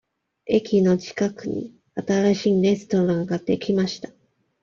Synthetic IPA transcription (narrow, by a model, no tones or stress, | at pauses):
e̞kʲino̞d͡ʑi̥kakɯ̟ɲ̟ḭ | at̪aɾaɕiːɾe̞sɨ̥t̪o̞ɾãŋɡad̪̥e̞kʲimaɕi̥t̪ḁ